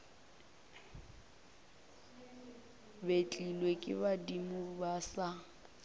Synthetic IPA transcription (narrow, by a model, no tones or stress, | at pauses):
bet͡ɬʼilwekʼɪ̰badimubasa